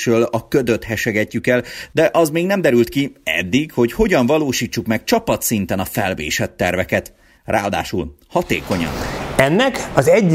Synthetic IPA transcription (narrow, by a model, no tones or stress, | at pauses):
øːlɒkød̪øt̪hɛʃɛɡɛcːykɛld̪ɛʔɒzmeːɡnɛmd̪ɛɾylt̪kiɛ̰d̪ːikho̞cho̞ɟɒɱvɒloːʃiːt͡ʃːukmɛk̚t͡ʃɒpɒt̪sint̪ɛnɒfɛlvḛːʃɛt̪ːɛrvɛkɛt̪ | rʔa̰ːɒd̪a̰ːʃul | hɒt̪ḛːko̞ɲɒ̰nɛnːɛkɒzɛɟ